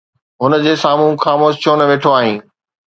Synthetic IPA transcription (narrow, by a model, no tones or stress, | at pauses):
ɦʊnə̆d͡ʑeːsaːm̤ũxaːmoːst͡ɕʰoːnɐʋeːʈʰoaːɦĩː